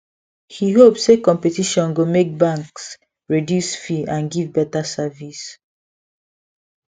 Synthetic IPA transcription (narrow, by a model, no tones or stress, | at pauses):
hiɦopsekɔ̃mpetiʃɔ̃nɡumek̚bãŋks | ɹidjusfiãnɡivbɛtasavis